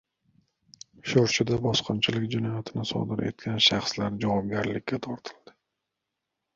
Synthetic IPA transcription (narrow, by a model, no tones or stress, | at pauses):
ʃoɾt͡ʃʰɪd̪abɒsqɨnt͡ʃʰɪlɪkʲd͡ʒɪnɒjat̪ʰɪnɪsɒ̰d̪ɪɾe̞̰t̪kʲʰanʃaχslaɾd͡ʒavɒp̚ɡʲaɾlɪkʲʰːat̪ʰɒɾt̪ʰɪ̥ld̪̥ɪ̥